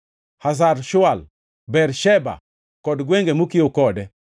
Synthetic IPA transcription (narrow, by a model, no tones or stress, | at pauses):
has̬aɾʃʊal | bɛrʃɛba̰ | kɔdɡweŋɡemukɪokɔdɛ